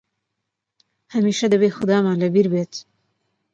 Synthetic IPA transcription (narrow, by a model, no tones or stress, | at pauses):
hɐmiːʃɐd̪ɐbeːxʊd̪ɑːmaːlɐbiɾbeːt̪